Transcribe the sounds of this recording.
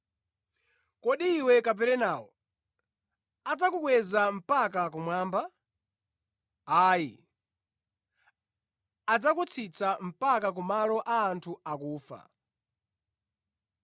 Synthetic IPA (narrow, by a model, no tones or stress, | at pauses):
kɔɗiːwɛkap̬ɛɾɛnaːwɔ | ad͡zakukwɛzam̩pak̬ak̬umwaːmba | aːjḭ | ad͡zakut͡sʰit͡sam̩pakak̬umalɔʔaːntʰuakuːfa̰